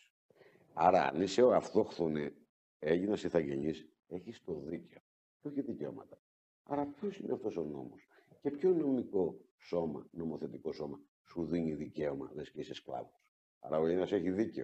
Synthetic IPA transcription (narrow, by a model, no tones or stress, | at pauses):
ɐɾɐ̰niseoɐft̪o̞xθune | eʝinɐsiθɐʝe̞ɲis | e̞çist̪o̞ðice̞o | oçiðico̞̰mɐt̪ɐ̥ | ɐɾɐpço̞sineɐft̪o̞so̞no̞̰mosce̞pço̞no̞miko̞ | so̞mɐ̰no̞mo̞θe̞t̪iko̞so̞mɐ | suðiɲiðice̞omɐlesceisesklɐ̰vos | ɐ̰ɾɐoejinɐseçiðiceo